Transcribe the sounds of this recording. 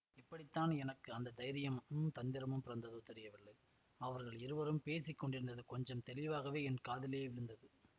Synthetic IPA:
ɪpːɐɽɪt̪ːaːnɛnɐkːɯɐnd̪ɐd̪ɐɪɾɪjɐmmt̪ɐnd̪ɪɾɐmɯmpɪɾɐnd̪ɐðoːt̪ɛɾɪjɐʋɪɭːɐɪ | ɐʋɐɾɣɐɭɪɾɯʋɐɾɯmpeːsɪkːɔɳɖɪɾɯnd̪ɐðɯkɔɲd͡ʒɐmt̪ɛlɪʋaːɣɐʋeːɛnkaːðɪleːʋɪlɯnd̪ɐðɯ

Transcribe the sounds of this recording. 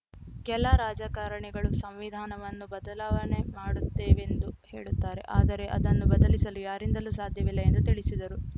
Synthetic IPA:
kɛlaɾaːd͡ʒakaːɾɐɳɛɡɐɭusɐmʋid̪ʱaːnɐʋɐnːubɐd̪ɐlaːʋɐne̞maːɽut̪ːeːʋe̞nd̪uhe̞̰ːɭut̪ːaːɾe̞̰ʔaːd̪ɐɾe̞ʔɐ̰d̪ɐnːubɐd̪ɐlisɐlujaːɾind̪ɐluːsaːd̪ʱjɐʋilːɐe̞nd̪ut̪iɭisid̪ɐɾu

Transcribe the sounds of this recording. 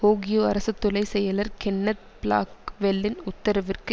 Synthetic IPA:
oːɡɪjoːɐɾɐsɐt̪ːʊlɐɪsɛjːɐlɐɾkɛɳːɐt̪̚bla̰ːkʋɛlːɪnʊt̪ːɐɾɐʋɪrkɯ

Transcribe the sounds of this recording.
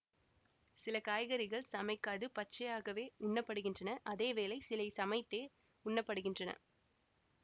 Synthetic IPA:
sɪlɐkaːjɣɐɾɪɣɐɭsɐmɐɪkːaːðɯpɐt͡ʃːɐjaːɣɐʋeːʊɳːɐpːɐɽɯɣɪndrɐnɐʔɐðeːʋeːlɐɪsɪlɐɪsɐmɐɪt̪ːeː | ʊɳːɐpːɐɽɯɣɪndrɐnɐ̰

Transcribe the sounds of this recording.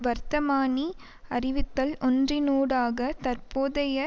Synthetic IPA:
ʋɐɾt̪ɐmaːni | ɐrɪʋɪt̪ːɐlʔɔndrɪnuːɽaːɣɐt̪ɐɾpoːðɐjɐ

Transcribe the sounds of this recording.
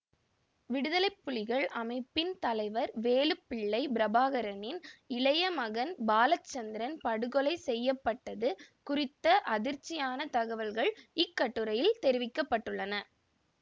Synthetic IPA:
ʋɪɽɯðɐlɐɪpːʊlɪɣɐɭʔɐmɐɪpːɪnt̪ɐlɐɪʋɐɾʋeːlɯpːɪɭːɐɪbɪɾɐbaːɣɐɾɐnɪnɪlɐjɐmɐɣɐnbaːlɐt͡ʃːɐnd̪ɪɾɐnpɐɽɯɣɔlɐɪsɛjːɐpːɐʈːɐðɯkʊrɪt̪ːɐʔɐðɪɾt͡ʃːɪjaːnɐt̪ɐɣɐʋɐlɣɐɭɪkːɐʈːɯɾɐjɪlt̪ɛɾɪʋɪkːɐpːɐʈːɯɭːɐnɐ

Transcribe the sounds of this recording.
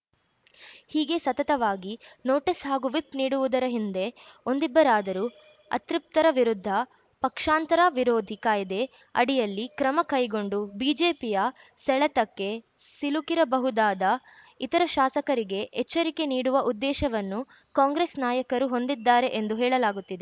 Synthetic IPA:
hiːɡe̞sɐt̪ɐt̪ɐʋaːɡino̞ːʈisɦaːɡuʋipniːɽuʋud̪ɐɾɐɦind̪e̞o̞nd̪ibːɐɾaːd̪ɐɾu | ɐ̰t̪ɾip̚t̪ɐɾɐʋiɾud̪ʱːɐ | pɐkʂaːnt̪ɐɾaʋiɾoːd̪ʱikaːjɐd̪e̞ | ɐ̰ɽijɐlːikɾɐmɐkɐjɡo̞ɳɖubiːd͡ʒeːpijɐ | sɛɭɐt̪ɐkːe̞silukiɾɐbɐɦud̪aːd̪ɐ | it̪ɐɾɐʃaːsɐkɐɾiɡe̞ʔɛt͡ʃːɐɾike̞niːɽuʋɐʔud̪ːɛːʃɐʋɐnːu | kaːŋɡɾeːsnaːjɐkɐɾuɦo̞nd̪id̪ːaːɾe̞ʔend̪uɦɛːɭɐlaːɡut̪ːid̪e

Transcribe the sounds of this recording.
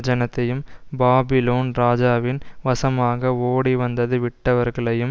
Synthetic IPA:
d͡ʒɐnɐt̪ːɐjɯmbaːbɪloːnɾaːd͡ʒaːʋɪnʋɐsɐmaːɣɐoːɽiʋɐnd̪ɐðɯʋɪʈːɐʋɐɾɣɐɭɐjɯm

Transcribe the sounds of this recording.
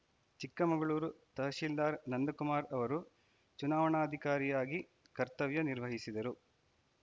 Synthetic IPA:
t͡ʃikːɐmɐɡɐɭuːɾut̪ɐɦɐʃild̪aːɾnɐnd̪ɐkumaːɾɐʋɐɾu | t͡ʃunaːʋɐɳaːɐd̪ʱikaːɾijaːɡi | kɐɾt̪ɐʋjɐniɾʋɐɦisid̪ɐɾu

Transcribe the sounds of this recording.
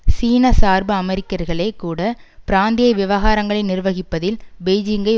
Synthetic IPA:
siːnɐsaːɾbɐɐmɛɾɪkːɐɾɣɐɭeːkːuːɽɐpɪɾaːnd̪ɪjɐʋɪʋɐɣaːɾɐŋɡɐɭɐɪnɪrʋɐɣɪpːɐðɪlbɛjd͡ʒɪŋɡɐɪ

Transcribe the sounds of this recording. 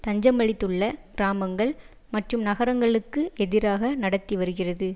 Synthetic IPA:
t̪ɐɲd͡ʒɐmɐɭɪt̪ːɯɭːɐɡ̥ɪɾaːmɐŋɡɐɭ | mɐʈrɯmnɐɣɐɾɐŋɡɐɭɯkːɯɛðɪɾaːɣɐnɐɽɐt̪ːiʋɐɾɯɣɪrɐðɯ

